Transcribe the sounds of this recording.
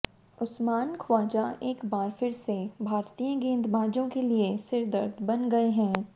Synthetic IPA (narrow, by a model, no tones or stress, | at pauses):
ʊsmaːnkʰwaːd͡ʒaeːkbaːɾfɪɾsebʱaːɾt̪ijãɡĩːnd̪bʱaːd͡ʒõkeliesɪɾd̪əɾd̪ʱbɐnɡɐeɦɛ̃ː